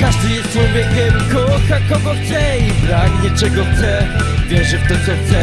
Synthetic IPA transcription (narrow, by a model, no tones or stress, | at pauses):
kaʐd̪ɨjɛst̪fɔjbʲjɛkʲɛmkɔxakɔɡɔxt̪sɛibɾaɡɲɛt͡ʂɛɡɔxt̪sɛvʲjɛʐɨft̪ɔt̪sɔxt̪sɛ